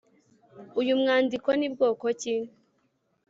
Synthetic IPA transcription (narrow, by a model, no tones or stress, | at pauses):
ujumŋaːndikonibɡoːkocine